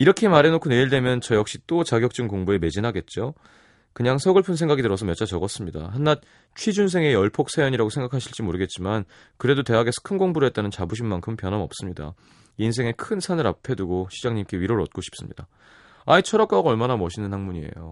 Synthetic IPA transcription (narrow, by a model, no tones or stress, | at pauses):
iɾʌkʰemaɾe̞nokʰuneiɭde̞mjʌnt͡ɕʌjʌk̚ɕ͈it͈ot͡ɕaɡjʌk̚t͡ɕ͈ɯŋkoŋbue̞me̞d͡ʑinɦaɡe̞t̚t͡ɕ͈o | kɯɲaŋsʰʌɡɯɭpʰɯnsʰe̞ŋɡaɡidɯɾʌsʰʌmjʌt͡ɕ͈at͡ɕʌɡʌs͈ɯmɲida̰hanːat̚ | t͡ɕʰwid͡ʑuns̬ʰe̞ŋe̞jʌɭpʰok̚s͈ʰajʌɲiɾaɡosʰeŋɡakʰaɕʰiɭt͡ɕ͈imoɾɯɡet̚t͡ɕ͈iman | kɯɾe̞dote̞ɦaɡe̞sʰʌ̥kʰɯnɡoŋbuɾe̞t͈̚anɯnt͡ɕabuɕ̬ʰinmankʰɯmpjʌnɦamʌp̚s͈ɯmɲida̰ | iiːnsʰe̞ŋe̞kʰɯnsʰanɯɾa̰pʰe̞duɡoɕʰid͡ʑaŋɲimk͈e̞ɥiɾoɾɭʌ̰t̚k͈oɕʰi̥p̚s͈ɯmɲḭda | ait͡ɕʰʌɾak͈aɡʌɭmanamʌɕʰinɯnhaŋmuɲie̞̰jo̰